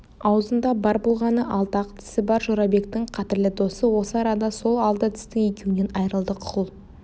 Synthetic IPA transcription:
ɑwəzənd̪ɑbɑɾbo̞lˠʁɑnəʔɑlˠt̪ɑqt̪ʰɪ̥sɪbɑɾʒoɾɑbe̞kt̪ɪɴqʰɑt̪ɪɾlɪd̪o̞səwo̞səɑɾɑd̪ɑso̞lˠɑlˠd̪ət̪ʰɪ̥st̪ɪŋe̞kʲewɪne̞nɑjɾəlˠd̪əqʰʊlˠ

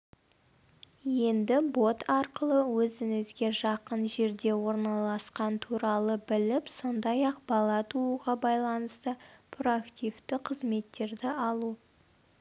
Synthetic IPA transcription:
je̞nd̪ɪbo̞t̪ʰɑɾqəlˠəwɵzɪŋɪzɡʲe̞ʒɑqənʒe̞ɾd̪e̞wo̞ɾnɑlˠɑsqɑnt̪ʰuɾɑlˠəbɪlɪpso̞nd̪ɑjɑq̚bɑlˠɑt̪ʰuuʁɑbɑjlˠɑnəst̪əpʰroakt̪ift̪ɪqʰəzme̞t̪ːe̞ɾd̪ɪɑlˠu

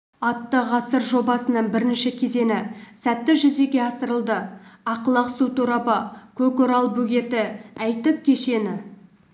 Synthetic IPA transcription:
ɑt̪ːəʁɑsəɾʒo̞bɑsənəɴbɪɾɪnʃɪkʲʰe̞ze̞nɪsæt̪ːɪʒʏze̞ɡʲe̞ɑsəɾəlˠd̪əɑqəlˠɑqsut̪ʰuɾɑbəkʲʰɵkʊɾɑlˠbʉɡʲe̞t̪ɪæjt̪ɪk̚kʲʰːe̞ʃe̞nɪ

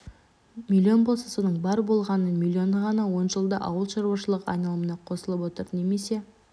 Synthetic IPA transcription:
mʲilʲːio̞nbo̞lˠsəsonəɴbɑɾbo̞lˠʁɑnənmʲilʲːjo̞nəʁɑnɑwo̞nʒəlˠd̪əʔɑwəlˠʃɑɾuwɑʃəlˠəqɑ̰jnɑlˠəmənɑqʰo̞səlˠəpwo̞t̪əɾne̞me̞se̞

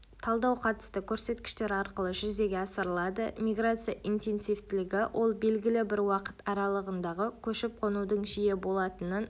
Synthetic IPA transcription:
t̪ʰɑlˠd̪ɑwqʰɑt̪ə̥st̪əkʲʰɵɾse̞t̪kʲɪ̥ʃt̪e̞ɾɑɾqəlˠəʒʏze̞ɡʲeɑsəɾəlˠɑd̪əmʲiɡrat̪sɨjaʔint̪e̞nsijft̪ɪlɪɡʲɪwʔo̞lˠbe̞lɡʲɪlɪbɪɾwɑqə̥t̪ɑɾɑlˠəʁənd̪ɑʁəkʲʰɵʃɪp̚qʰo̞nud̪əɴʒijebo̞lˠɑt̪ənən

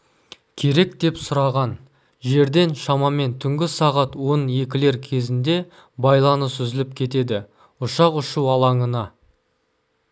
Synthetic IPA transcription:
kʲʰe̞ɾe̞k̚d̪e̞psʊɾɑʁɑn | ʒe̞ɾd̪e̞nʃɑmɑme̞nt̪ʰʏŋɡʲɪsɑʁɑt̪wo̞nje̞kʲɪle̞ɾkʲʰe̞zɪnd̪e̞ | bɑjlˠɑnəsʏzɪlɪp̚kʲʰe̞t̪e̞d̪ɪ | ʊʃɑqʊʃuwɑlˠɑɴənɑ

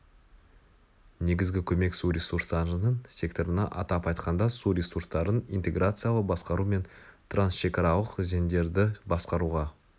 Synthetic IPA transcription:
ne̞ɡʲɪzɡʲɪkʲʰɵme̞ksuɾʲesurst̪ɑənəɴsʲe̞kt̪o̞ɾənɑʔɑ̰t̪ɑpɑjt̪qɑnd̪ɑsuɾʲesurst̪ɑɾənijnt̪e̞ɡrat̪sɨjalˠəbɑsqɑɾume̞nt̪ʰransʃe̞kɑɾɑlˠəqzend̪e̞ɾd̪ɪbɑsqɑɾuʁɑ

